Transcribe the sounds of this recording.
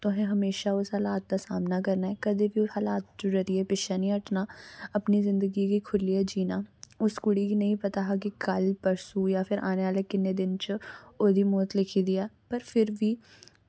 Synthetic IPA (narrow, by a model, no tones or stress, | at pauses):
t̪oɦɛ̃ɦɐmeːʃaʊsɦaːlaːt̪̚d̪asaːmnakɐɾnaɦɛkɐd̪ebiʊshalaːt̪̚d͡ʒoɾɐɾiepɪʃanĩɐʈʰnaɐpnizɪ̃nd̪əɡikikʰʊlːijad͡ʒiːnaʊskʊɽikinɐɦĩpɐt̪aɦak̬ikɐlpɐɾsujapʰɪɾʔa̰ːneʋaːlekɪnːed̪ɪnt͡ʃoːd̪ʱimoːt̪lɪkʰid̪iaːpɐɾfʰɪɾbi